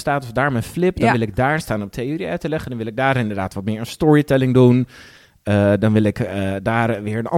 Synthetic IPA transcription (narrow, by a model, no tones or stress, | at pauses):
staːtɔfdaːɹmɛnflɪp̚dɔnʋɪlˠɪɡ̚daːɹstaːnɔp̚tʰeoːɾiœɥtəlɛχəndɔnʋɪlˠɪɡ̚daːɾɪndəɹdaːtʋɔtmɪːɹənstɔɹitɛlɪŋdun | ədɑnʋɪlˠɪkədaːrʋɪːɹənɑ̰